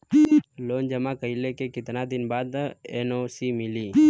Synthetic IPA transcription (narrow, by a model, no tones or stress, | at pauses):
loːnd͡ʒəmakəɦilekekɪt̪nad̪ɪnbaːd̪ḛnosimɪliː